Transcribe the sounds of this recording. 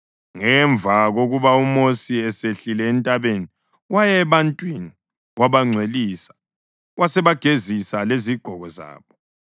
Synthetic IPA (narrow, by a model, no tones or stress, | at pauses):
ŋɛɱb̪vʱaɣoɣuβaumosiɛseɬilɛːntʼaβeni | wajɛβantʼwini | waβaŋ͡ǀʱweliːsḁ | wʔasɛβaɡ̥ʱezisaleziɡ͡ǃ̥ʱɔɣɔza̰ːβɔ